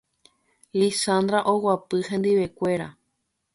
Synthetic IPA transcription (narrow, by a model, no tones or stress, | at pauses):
lisãnd̪ɾaʔowapɨhẽnd̪iʋe̞kʷe̞ɾa̰